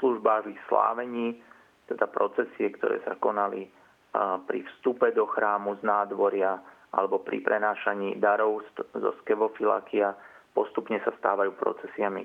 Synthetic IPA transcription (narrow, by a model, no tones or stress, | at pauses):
sluʒbaːɣlixsla̰ːʋɛɲiː | t̪ɛd̪apɾɔt͡sɛsiɛkt̪ɔ̰ɾɛ̰ːsakɔnali | pɾḭfst̪upɛd̪ɔxɾaːmuznaːd̪ʋɔɾɪa | ʔa̰lɛbɔpɾḭpɾʔɛnaːʃaɲiːd̪aɾɔʊszɔ̰skɛʋɔfila̰kiapɔst̪upɲɛsast̪a̰ːʋajuːpɾɔ̰t͡sɛsɪami